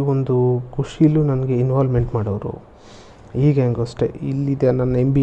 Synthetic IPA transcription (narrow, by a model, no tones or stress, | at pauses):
ond̪ukuʂilːunɐnɐɡe̞inʋaːlme̞ɳʈmaːɽoʋɾṵ | iːɡeŋɡɐsʈe̞̰ilːid̪eɐnɐnːɐembi